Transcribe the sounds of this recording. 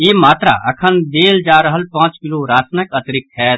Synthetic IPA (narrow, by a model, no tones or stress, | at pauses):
jeːmaːt̪ɾa̰ʔɐkʰənd̪eːld͡ʒaːɾəɦəlpãːt͡ʃkɪloːɾaːsnəkɐt̪ɾɪkɦɛː